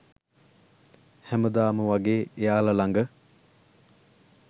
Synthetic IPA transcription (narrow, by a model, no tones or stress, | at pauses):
hæməd̪aːməʋaɡeːejaːlalaŋɡə